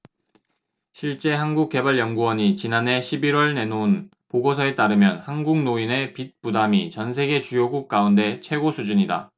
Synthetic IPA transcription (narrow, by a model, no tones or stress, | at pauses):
ɕʰiɭt͡ɕ͈e̞ɦanɡuk̚k͈e̞baɭjʌŋɡuwʌɲit͡ɕinane̞ɕʰibiɾwʌɭne̞noun | poɡosʰʌe̞t͈aɾɯmjʌnhanɡuŋnoine̞pit̚p͈udamit͡ɕʌns̬ʰe̞ɡe̞t͡ɕujoɡuk̚k͈aunde̞t͡ɕʰwe̞ɡosʰud͡ʑuɲida̰